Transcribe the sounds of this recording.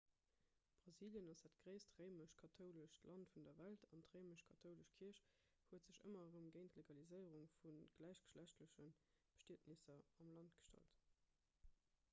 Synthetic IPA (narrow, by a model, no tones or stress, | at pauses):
b̥ʁɑziːljənɑsætɡ̥ʁəɪstʁəɪməʃkʰɑtʰoʊləʃtlɑntfundɐvæltʰɑntʁəɪməɕkʰɑtʰəʊləʃkʰiɐɕ | huətz̥əɕə̰mɐʁəmɡeɪntleɡɑlizəɪəʁuŋfunɡ̥læɪʃɡ̥ə̥ʃlæɕtləɕən | b̥ə̥ʃteːtnisɐɑmlɑntɡ̥ə̥ʃtɑ̰lt